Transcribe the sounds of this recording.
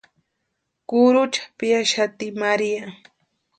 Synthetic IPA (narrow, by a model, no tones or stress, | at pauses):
kʊɾʊt͡ʃḁpɪjaʃat̪ɪmaɾija